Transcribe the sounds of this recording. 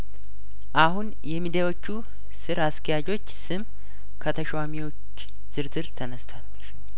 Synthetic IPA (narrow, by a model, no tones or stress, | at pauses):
ʔahun | jɛmid̪awo̞t͡ʃːu | sɨɾaskʰəjad͡ʒo̞t͡ʃːsɨm | kʰət̪ʰəʃwamiwo̞t͡ʃː | z̥ɨɾzɨɾt̪ʰənəst̪ʰwalːəʃ